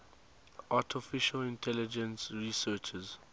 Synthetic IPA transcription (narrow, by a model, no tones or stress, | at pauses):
ʔatʰɪfɪʃəlɪ̃ntʰɛlɪd͡ʒə̃nsɹisɜːt͡ʃəz